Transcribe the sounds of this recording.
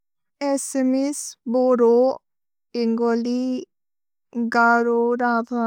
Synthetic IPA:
esemesboɾo | iŋɡoli | ɡaɾoɾad̪a

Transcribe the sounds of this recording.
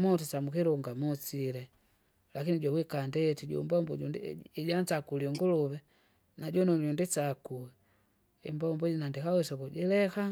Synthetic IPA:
mɔtut͡ʃamukiɾuŋɡamut͡ʃilɛ | lakiniɟɔwikandɛtiɟṵmbɔmbɔuiɟant͡ʃakuliɔŋɡuluβɛ | naɟɔnɔɟundit͡ʃakuɛ | ḭmbɔmbɔɟinandikawɛsɔkuɟɛlɛka

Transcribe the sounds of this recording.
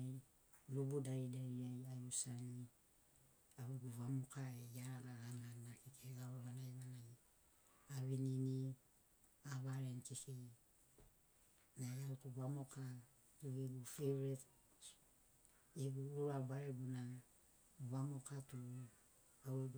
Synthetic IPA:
lubudaidaɾiajajusani | aweɡuβamokaejaɾalaɡaŋannakikʰeɡaɾoβanajβanaj | aβinini | aβaɾenkeke | najautuβamoka | tueɡufeɾet | eɡuuɾabaɾeɡuna | βamokatu | aweɡ

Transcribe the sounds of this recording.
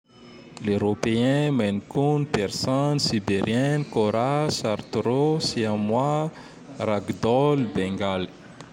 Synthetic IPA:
leɾopeɛ̃manikunipɛɾsɔnsibeɾjɛnkoɾasaɾt̪ɾosiamwa | raɡd̪ɔlbɛŋɡali̥

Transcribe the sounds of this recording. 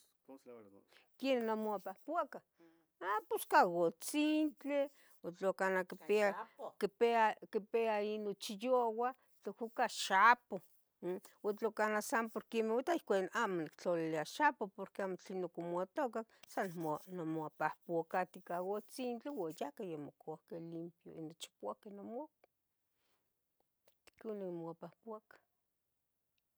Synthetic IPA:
kjenːamoapahpwaka | aposkaɣot͡sint͡ɬe | ot͡ɬokanakipeakipeakipeainot͡ʃijowa | t͡ɬohukaʃapo | wat͡ɬokanasampoɾkemewat̪aihkʷanamonikt͡ɬoliliaʃapopoɾkeamot͡ɬenokomoat̪okaksanmnomapahpuakat̪ikawot͡sint͡ɬiwajakajamokoakelimpjo̰inot͡ʃi̥poakenomak | konemoapahpuakḁ

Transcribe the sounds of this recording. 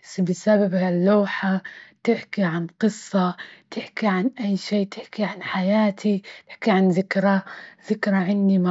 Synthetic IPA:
sbɪsababhalːoːħat̪ɪħkiʕanqɨsˤːɑt̪ɪħkiʕanʔajːʃiːt̪ɪħkiʕanħajaːt̪ʰit̪ɪ̥ħkiʕanðɪkɾaðɪkɾˤaʕɪndima

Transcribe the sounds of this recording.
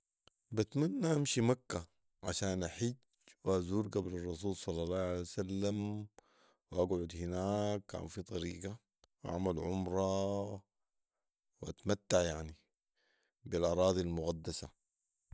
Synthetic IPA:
bat̪manːaʔamʃimakːa | ʕaʃaːnʔaħid͡ʒ | wazuːɾɡablɑrˤːɑs̬uːlsˤɑlːɑlˤːɑːhʕaleːwsalːam | wʔaɡʕʊd̪hinaːkːa̰ːnfit̪ˤɑɾiːɡa | wʔa̰ʕmalʕʊmɾˤɑ | wʔat̪mat̪ːaʕjaʕni | bilʔɑɾˤɑːd̪ˤilmʊɣad̪ːasa

